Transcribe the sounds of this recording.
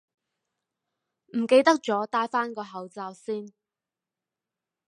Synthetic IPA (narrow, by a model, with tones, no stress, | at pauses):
m̩˨˩ke˧jt̪ɐ˥k̚t͡ʃɔː˨˥t̪aː˧jfaː˥nkɔː˧ɦɐ˨˧wt͡saː˧wsiː˥n